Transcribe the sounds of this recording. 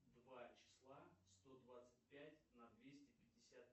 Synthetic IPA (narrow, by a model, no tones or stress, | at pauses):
d̪vat͡ɕɪ̥slˠast̪o̞d̪vat̪sɨ̥t̚ʲpʲætʲnɐd̪vʲesʲtʲɪpʲɪdʲɪsʲat̪